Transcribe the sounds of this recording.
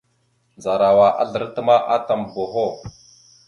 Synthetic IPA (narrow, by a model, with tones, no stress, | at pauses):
d͡za˨ɾa˨wa˨ʔa̰˦ɮə˨ɾtə˦ma˦ʔa˦ta˨mbo˨ɦo˦˨